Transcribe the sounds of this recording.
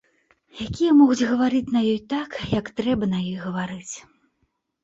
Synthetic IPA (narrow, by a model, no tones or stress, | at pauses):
jakʲijɐmɔɣud͡zʲɣɐvaɾɨt͡sʲnɐjɔjt̪akjɐkt̪ɾɛbɐnɐjɔjɣɐvaɾɨt͡sʲ